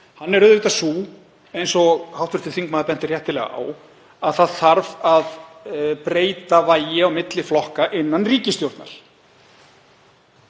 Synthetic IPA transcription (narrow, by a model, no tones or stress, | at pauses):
hanːɛɾʏðʏt̪asuː | ejnsɔhawht̪ʏɾt̪ɪθiŋkmaːðapɛn̥t̪ɪrjɛht̪ːɪlɛ̰ɣa̰a̰ːw | aðθaðθaɾvaðpɾeːjt̪avaːjɪawmɪt̪lɪflɔhkaʔɪnːanriːcɪst̪jowɾt̪na̰l̥